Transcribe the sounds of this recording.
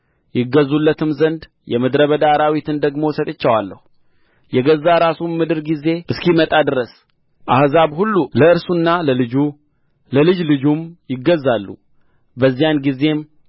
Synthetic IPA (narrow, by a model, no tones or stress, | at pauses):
jɪɡəzːulːət̪ɨmzənd̪ | jɛmɨd̪ɾəβəd̪aɾawit̪ʰɨnd̪əɡmo̞sət̪ʼɨt͡ʃːəwalːəhu | jɛɡəzːaɾasummɨd̪ɨɾɡize̞ʔɨskimət̪ʼad̪ɨɾəs | ʔahzaβhulːuləɨɾsunːaləlɨd͡ʒu | ləlɨd͡ʒlɨd͡ʒumjɪɡːəzːalːṵ | bəzːijanɡize̞m